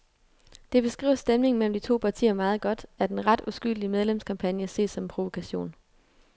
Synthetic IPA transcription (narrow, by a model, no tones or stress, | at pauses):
d̥e̝b̥e̝sɡ̥ʁḭːʊ̰sd̥emne̝ŋ̩mel̰m̩d̥it͡sʰo̝̰ːpʰɑ̈t͡sʰḭːɐmɑ̈ːð̞̩ˠɡ̥ɒ̽d̥æɐd̥enʁɑ̈d̥usɡ̥yl̰d̥imeð̞ˠlemskʰɑ̈mpʰænjəse̝̰̥ːsɒ̽mpʰʁo̝ʋo̝kʰæɕo̝̰ːn